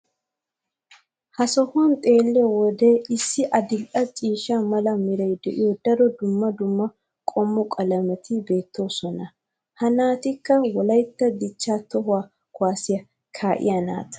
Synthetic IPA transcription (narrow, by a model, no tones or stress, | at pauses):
hɐsɔhʊɐnt̪ʼe̞ːlːɛwɔd̪ɛɪsːɪʔɐd̪ɪlʔʼɐt͡ʃʼiːʃamɐlɐmɪɾɐjd̪ɛʔɪjɔd̪ɐɾɔd̪ʊmːɐd̪ʊmːɐ | kʼɔmːɔkʼɐlɐmɛt̪ʰɪbe̞ːt̪ːo̞ːsɔnɐ | hɐnaːt̪ɪkːɐwɔlɐjt̪ːɐd̪ɪt͡ʃːaːt̪ɔɦʊwaː | kʊwaːsɪjɐ | kʰaːʔɪ̰jɐna̰ːt̪